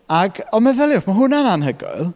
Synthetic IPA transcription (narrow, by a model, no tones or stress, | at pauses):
aɡɔmɛðɛlˠɪʊχmaɦʊnananɦəɡɔ̰ɨlˠ